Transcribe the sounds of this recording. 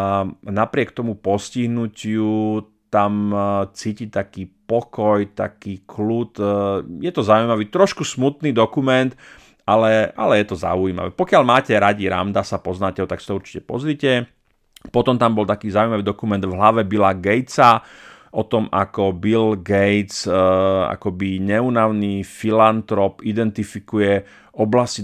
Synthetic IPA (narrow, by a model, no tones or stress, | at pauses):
napɾɪɛkt̪ɔmupɔsciɦnucɪu | t̪amt͡sicit̪akiːpɔkɔjt̪akiːkʰlut̪jɛt̪ɔzaujmaʋiːt̪ɾɔʃkusmut̪niːd̪ɔkumɛnt̪ | alɛa̰lɛjɛt̪ɔza̰ujiːma̰ʋɛ̰pɔkɪaʎmaːcɛɾaɟiɾa̰md̪asapɔznaːcɛɦɔt̪aksi̥t̪ɔuɾt͡ʃi̥cɛpɔ̰zɾiːcɛ | pɔt̪ɔmt̪ambɔlt̪akiːzaujmaʋiːd̪ɔkumɛnd̪vɦlaʋɛbilaɡɛjt͡saʔɔt̪ɔma̰kɔbilɡɛjt͡s | a̰kɔbiɲɛunaʊniːfilant̪ɾɔpid̪ɛnt̪ifikujɛ | ɔblasci